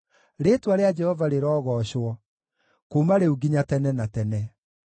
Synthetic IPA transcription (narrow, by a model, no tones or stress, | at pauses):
ɾetwaɾead͡ʒɛhɔvaɾeɾɔːɣɔɕwɔ | komaɾeuɡiɲatɛnɛnatɛnɛ